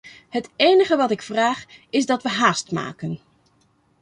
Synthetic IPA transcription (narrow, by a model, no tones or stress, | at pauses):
ɦətejnəχəʋɑtɪkfraːχɪzdɑtʋəɦaːstma̰ːkən